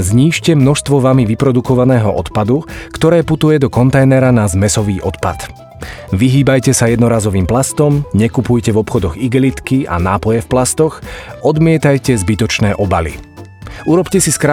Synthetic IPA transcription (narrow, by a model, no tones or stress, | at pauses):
zɲiːʃcɛmnɔʃst̪ʋɔʋamiʋipɾɔd̪ukɔʋanɛːɦɔʔɔt̪pad̪ukt̪ɔɾɛːput̪ujɛd̪ɔkɔnt̪ɛjnɛɾanazmɛsɔʋiːʔɔt̪pa̰t̪ | ʋiɦiːbajcɛsajɛd̪nɔɾaːzɔʋiːmplast̪ɔmɲɛkupujcɛvɔpxɔd̪ɔɣiɡɛlit̪kiʔa̰naːpɔjɛfplast̪ɔxɔd̪mɪɛt̪ajcɛzbit̪ɔt͡ʃnɛːʔɔbalḭ | uɾɔpcɛsiskɾa